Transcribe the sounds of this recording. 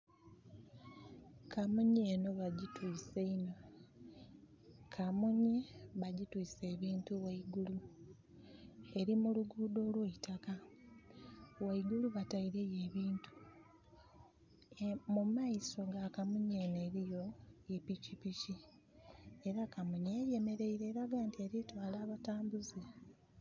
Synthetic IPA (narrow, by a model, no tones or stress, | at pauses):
kʰamuɲeːno̞βaɟitwiːseino̞ | kʰamuɲiβaɟitwiːse̞ːβiːntuwaiɡulu | e̞ɾimuluɡuːdo̞ːlweitaka | waiɡuluβataiɾeje̞ːβiːntu̥ | mumaiso̞ŋɡakamuɲene̞ɾijo̞epicipici | e̞ɾakamuɲeje̞me̞ɾe̞iɾe̞ːɾaɡaːntieɾitwaːlaːβataːmbuzi